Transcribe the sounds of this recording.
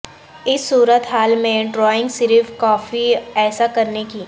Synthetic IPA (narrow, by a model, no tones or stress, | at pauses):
ɪsːuːɾət̪ɦaːlmẽɖɾɔːɪ̃ŋɡsɪɾfkɔːfiɛːsakɐɾnekiː